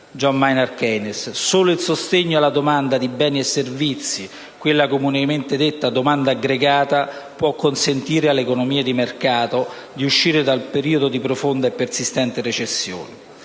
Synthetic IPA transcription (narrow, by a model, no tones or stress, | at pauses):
d͡ʒɔmmajnɛrkɛnesːoːloilsost̪eɲːoalːad̪omand̪ad̪ibɛːniɛsːervit̪sːi | kwelːakomunement̪ed̪et̪ːad̪omand̪aːɡɾeɡaːt̪a | pwɔkːonsent̪iːɾealːekonomiːad̪imerkaːt̪o | d̪iuʃːiːɾɪd̪alpeɾiːod̪od̪ipɾofond̪aepːersist̪ɛnt̪ɪret͡ʃesːjo̰ːni